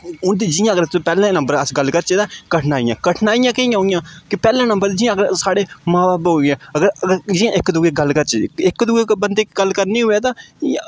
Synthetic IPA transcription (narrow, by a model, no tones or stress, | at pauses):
ʊnt̪̬id͡ʒɪjãːəɡəɾpɛːlãːnə̃mbəɾəsɡəlkəɾt͡ʃeːd̪aːkəʈʰnaːɪjãːkəʈʰnaːɪjãːkəijãːɦoɪjãːkɪpɛːlãːnəmbəɾd͡ʒɪjãːɡəɾsaːɽeːmãːbaːbɦoːɡãːəɡəɾəɡəɾd͡ʒɪjãʔɪkd̪ʊɡeːɡəlkəɾt͡ʃːɪkːd̪ʊɡeːbənd̪eːkɡəlkəɾniːɦʊːɛːt̪ãːã̰